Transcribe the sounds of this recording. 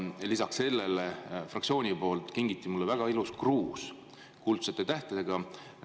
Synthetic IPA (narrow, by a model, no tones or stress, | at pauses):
lisɑksse̞lːelefrɑktsio̞ːnʲipo̞ːlt̪ˑkiŋɡit̪ːˑimulːevæɡ̥ɑiluskruːs | kult̪set̪ːˑet̪æht̪ed̪eɡ̥ɑ